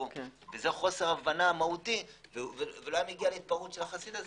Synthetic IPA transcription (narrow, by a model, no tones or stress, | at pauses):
ovezeχo̞se̞ʁavanamahut̪ivevveulajmeɡialeit̪̚paʁut̪ʃelaχasid̪az